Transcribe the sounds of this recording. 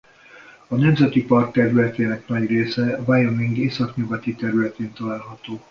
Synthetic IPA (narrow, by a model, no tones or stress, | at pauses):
ɒnɛmzɛt̪ipɒrkt̪ːɛɾylɛt̪eːnɛknɒɟreːsɛvajomiŋɡeːsɒkɲuɡɒt̪it̪ɛɾylɛt̪eːnt̪ɒlaːlɦɒt̪oː